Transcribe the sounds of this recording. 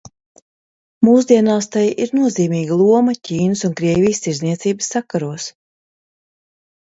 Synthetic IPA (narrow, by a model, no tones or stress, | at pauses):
muːsd̪iɛnaːst̪ajʔiɾnuɔziːmʲiːɡalˠuɔmɐciːnəsunkɾiɛvʲijst̪iɾznʲiɛt̪siːbɨsːakːaɾuɔs